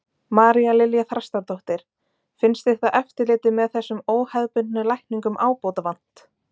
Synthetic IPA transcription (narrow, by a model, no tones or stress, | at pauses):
maːɾialɪljaθɾast̪aɾt̪oht̪ɪɾ̥ | fɪnst̪ɪht̪aʔɛft̪ɪɾlɪːt̪ɪmɛðθɛsːʏmoːwhaðpʏnnʏlajhkniŋkʏmʔaːwpowt̪avan̥t̪